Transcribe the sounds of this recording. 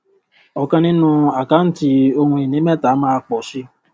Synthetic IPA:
ɔ˨kã˧nĩ˦nũ˦a˨ka˨˦n̩˦ti˦o˧hũ˧i˨nĩ˨˦mɛ̃˦˨ta˨˦mãː˦˧k͡pɔ˨ʃi˧˦

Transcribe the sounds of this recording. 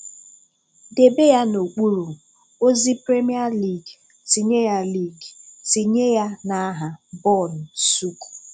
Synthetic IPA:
de˨be˦ja˦no˨k͡pu˦ɾu˨ | o˦zi˦pɾe˦mi˦a˦li˨ɡ | si˨ɲe˦ja˦li˦˨ɡsi˨ɲe˦ja˦na˨˦ɦa˨bɔ˦˨n̩˨su˦ku̥˨

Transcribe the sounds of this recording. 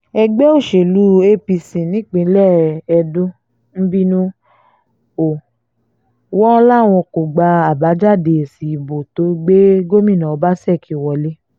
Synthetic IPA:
ɛ˧ɡ͡bɛ˦o˦˨ʃe˨lu˨˦e˦pi˧sĩ˨nĩ˨˦k͡pĩ˨˦lɛ˦˨ɛ˧dõ˦ | n̩˦bi˦nũ˦ | o˨ | wɔ̃˦la˦˨w̃ɔ̃˧ko˨ɡ͡ba˧a˨ba˨˦d͡ʒa˦˨de˨si˨i˨bo˨to˨˦ɡ͡be˦ɡo˦mĩ˦˨nã˨o˧˦ba˦sɛ˦˨kʰi˨wɔ˨le˦

